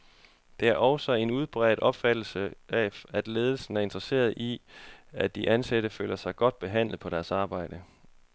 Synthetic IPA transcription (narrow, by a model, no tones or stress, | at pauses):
d̥e̝æɐʔɒʊsɒ̽e̝nuð̞ˠb̥ʁɛ̰ːð̥̩ˠɒ̽b̥fæd̥l̩səɛæd̥le̝ːð̞ˠl̩sn̩æɐe̝nd̥ʁɐse̝̰ːɐð̩ˠʔiæd̥iʔænseɾ̥əfø̰ːlɐsɑ̈ɪɡ̥ɒ̽d̥̚b̥e̝ɦæn̰lð̞̩ˠpʰɒ̽ɾ̥æɐsɑ̈ːb̥ɑ̈ɪ̰d̥ə